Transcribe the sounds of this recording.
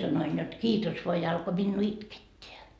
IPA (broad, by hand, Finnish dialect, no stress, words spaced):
sɑnoin jot kiːtos ʋoɑ jɑ ɑlko minːuː itketːeæ